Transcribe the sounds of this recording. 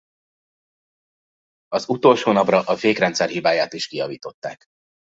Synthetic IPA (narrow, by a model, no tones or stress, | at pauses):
ɒzut̪o̞lʃoːnɒprɒʔɒfeːkrɛnt̪sɛrɦibaːjaːt̪iʃkijɒviːt̪o̞t̪ːaːk